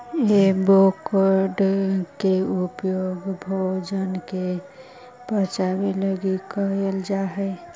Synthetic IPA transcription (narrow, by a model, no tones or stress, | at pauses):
jebokəɾɖkeupjoɡbʱod͡ʒənke | b̥ət͡ʃabeləɡikəɦeld͡ʒaɦəɪ